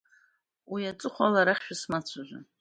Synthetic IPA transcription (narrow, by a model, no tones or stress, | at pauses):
wiat͡sʷʼɨχʷalaɾaχʲʃᶣasmat͡sʷʰaʒʷa̰